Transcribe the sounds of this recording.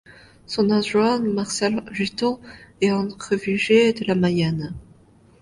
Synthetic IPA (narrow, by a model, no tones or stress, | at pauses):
sɔ̃naʒwanmaʁsɛlʒit̪ɔ̃ɛɑ̃χəviʒed̪əlamajan